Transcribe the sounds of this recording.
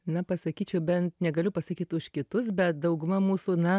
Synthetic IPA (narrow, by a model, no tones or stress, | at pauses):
nɐpɐsɐkʲiːt͡ʃʲɛʊbʲɛnt̪nʲɛɡɐlʲʊpɐsɐkʲiːt̪ʊʃkʲɪt̪ʊs̬bʲɛt̪̚d̪ɐʊɡʊmɐmuːsunɐ